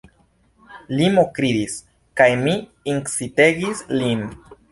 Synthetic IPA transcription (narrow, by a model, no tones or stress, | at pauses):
limokɾid̪is | kajmiiŋksite̞ɡislin